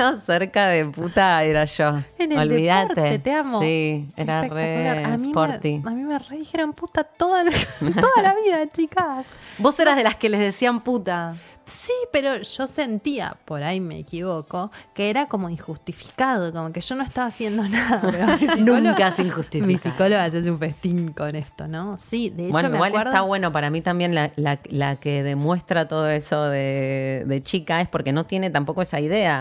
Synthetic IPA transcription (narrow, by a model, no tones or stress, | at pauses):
oseɾkaðeput̪aeɾaʃoeneoβeiðaoɾt̪eet̪eamosiḛɾaereakuaɾamsipoɾiamimereðixeɾomput̪at̪oðalt̪oðalaβiðat͡ʃikasboseɾaðelaske̞lezðe̞siamput̪a | sipeɾo̞ʒo̞se̞nt̪ia̰po̞ɾajme̞̰ːkiβoko̞keeɾako̞mo̞iŋxust̪ifi̥kaðokomokeʒ̥o̞no̞est̪aβaːsje̞nd̪o̞naðapɾonũŋkasiŋxust̪ifmisikoloɣas̬ias̬eũɱfest̪iŋko̞nest̪ono̞siðeebwet͡ʃoomieawalweesɾðt̪aβwe̞no̞paɾamit̪ambje̞nlalalakeðe̞mwe̞st̪ɾat̪o̞ð̞o̞eso̞ðeðe̞t͡ʃikaespo̞ɾke̞no̞t̪je̞ne̞t̪ampo̞ko̞esaiðe̞a